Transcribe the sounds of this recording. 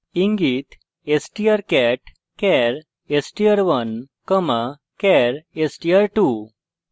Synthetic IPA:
iŋɡit̪ | esʈijəɾkɛʈ | kɛɾ | esʈijəɾʋən | kəma | kɛɾesʈijəɾʈu

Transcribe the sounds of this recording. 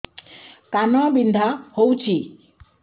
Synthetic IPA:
kanɔbind̪ʱahowt͡ʃʰi

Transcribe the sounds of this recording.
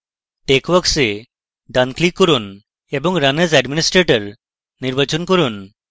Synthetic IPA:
ʈekʋəɡse | ɖanklikːəɾuːn | ebɔŋɡɾanəd͡zɛɖminisʈɾeʈəɾ | niɾʋat͡ɕunkəɾuːn

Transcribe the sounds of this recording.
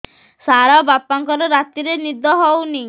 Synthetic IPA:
saɾabapaŋkɔɾɔɾat̪iɾenid̪ɔɦɔwni

